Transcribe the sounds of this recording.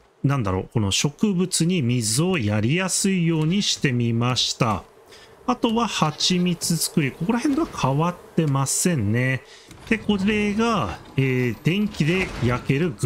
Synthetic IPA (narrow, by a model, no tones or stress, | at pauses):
nãnd̪aɾo̞̰ːko̞no̞ɕo̞kɯ̟bɯ̟t͡sɨɲ̟imʲizɨo̞jaɾʲijasɨijo̞ːɲ̟iɕi̥t̪e̞mʲimaɕi̥t̪a̰ | at̪o̞βahat͡ɕimʲit͡sɨzɨ̥kɯ̟ɾʲiko̞ko̞ɾahẽ̞nd̪oakʰaβat̪ːe̞masẽ̞nne̞ | d̪̥e̞ko̞ɾe̞ɡa | eːd̪̥ẽ̞ŋkʲid̪e̞jake̞ɾɯ̟ɡ